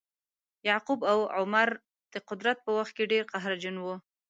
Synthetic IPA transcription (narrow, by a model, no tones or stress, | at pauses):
jɑqubawʕʊmaɾ | d̪̥əqʊd̪ɾat̪̚pəwaxt̪̚keɖeɾqaɦɾad͡ʒənwu